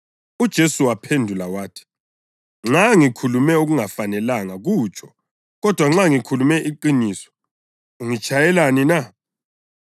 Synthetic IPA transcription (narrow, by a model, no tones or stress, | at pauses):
ud̥ʒ̥ʱesuwapʰendʱulawaːtʰi̥ | ŋ͡ǁaŋikʰulumɛuɣuŋafanɛlaŋaɣut͡ʃʰʼɔ̥ | ɣɔd̥ʱwaŋ͡ǁaŋikʰulumɛʔiǃinisɔ̥ | uŋit͡ʃʰʼajɛlanina